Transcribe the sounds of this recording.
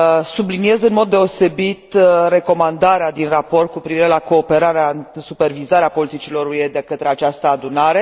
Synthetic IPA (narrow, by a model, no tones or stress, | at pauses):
sublinie̞zɨnmo̞d̪̚ːe̞o̞se̞bit̪re̞ko̞mand̪aɾead̪inrapo̞rt̪̚kupɾiviɾe̞lako̞ːpe̞ɾaɾeasupe̞rvizaɾeapo̞lit̪it͡ʃilo̞ɾujed̪e̞kət̪ɾe̞at͡ʃast̪əad̪unaɾe̞